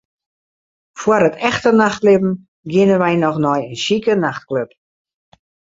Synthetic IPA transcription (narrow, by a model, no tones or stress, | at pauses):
fwərətʰɛxtənaxtlɪbm̩ | ɡɪnənʋɛjnɔxnɔjənʃikənaxt̚kløp̚